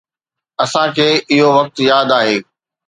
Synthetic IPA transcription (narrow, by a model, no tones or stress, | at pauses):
ɐsãkʰeːɪɦoʋɐk̚t̪jaːd̪aːɦeː